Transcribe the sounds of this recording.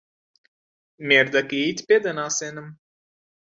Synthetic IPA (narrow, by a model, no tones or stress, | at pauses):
mʲiɾd̪akʲit̪ʲpʲid̪anaːsɛnam